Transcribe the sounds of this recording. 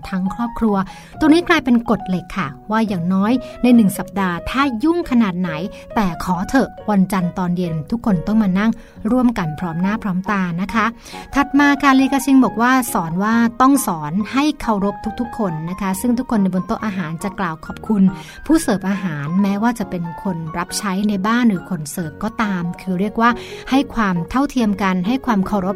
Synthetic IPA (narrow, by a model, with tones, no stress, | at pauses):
t̪ʰa˦˥ŋkʰɾɔː˥˩p̚kʰɾu˧ɐ | t̪u˧ŋniː˦˥klaː˧jpe˧nko˨˩t̪̚le˨˩kʰːa˥˩waː˥˩jaː˨˩ŋnɔː˦˥jna˧jnɯ˨˩ŋsa˨˩p̚daː˧t̪ʰaː˥˩ju˥˩ŋkʰa˧naː˨˩t̪̚na˩˦j | t̪ɛː˨˩kʰɔː˩˦t̪ʰɤ˨˩wa˧nt͡ɕa˧nt̪ɔː˧nji˧mt̪ʰu˦˥kʰːo˧nt̪ɔ˥˩ŋmaː˧na˥˩ŋ | ɾu˥˩əmka˧npʰɾɔː˦˥mnaː˥˩pʰɾɔː˦˥mt̪aː˧na˦˥kʰa˦˥ | t̪ʰa˨˩t̪̚maː˧kʰa˧˥˩li˧kaː˧sʰi˧nbɔː˨˩k̚waː˥˩sɔː˩˦nwaː˥˩t̪ɔ˥˩ŋsɔː˩˦nha˥˩jkʰa˧˩wɾo˦˥p̚t̪ʰu˦˥k̚t̪ʰu˦˥kʰːo˧nːa˦˥kʰa˦˥sɯ˥˩ŋt̪ʰu˦˥kʰːo˧nːa˧jbo˧nt̪o˥˩ʔaː˧ɦaː˩˦nt͡ɕa˨˩klaː˨˩wkʰɔː˨˩p̚kʰu˧n | pʰuː˥˩sɤː˨˩p̚ʔaː˧ɦaː˩˦nmɛː˦˥waː˥˩t͡ɕa˨˩pe˧nkʰo˧nɾa˦˥p̚t͡ɕʰa˦˥jna˧jbaː˥˩nɾɯː˩˦kʰo˧nsɤː˨˩p̚kɔː˥˩t̪aː˧mkʰɯː˧ɾi˥˩ək̚waː˥˩ha˥˩jkʰwaː˧mt̪ʰa˥˩wt̪ʰi˧əmka˧nɦa˥˩jkʰwaː˧mkʰa˧˩wɾo˦˥p̚